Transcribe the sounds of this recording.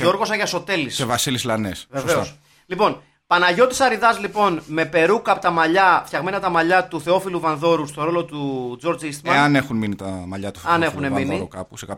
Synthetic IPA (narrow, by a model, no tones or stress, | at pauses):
o̞ɾɣo̞sɐʝɐso̞t̪e̞lissevɐsilislɐnesveveos | lipo̞n | pɐnɐʝo̞t̪i̥sɐɾiðɐzlipo̞nme̞pe̞ɾukɐpot̪ɐmɐʎɐfçɐɣme̞nɐt̪ɐmɐʎɐt̪uθe̞o̞filuvɐnðo̞ɾust̪o̞ɾo̞lo̞t̪ud͡zo̞ɾd͡zist̪mɐɐnexunminit̪ɐmɐʎɐt̪u̥ɐne̞xune̞miniɾukɐpusekɐ